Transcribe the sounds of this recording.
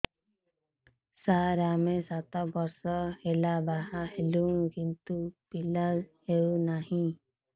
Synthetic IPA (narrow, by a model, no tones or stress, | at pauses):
saɾamesat̪ɔbɔɾsɔhelabaɦahelukint̪upilazhewnahĩ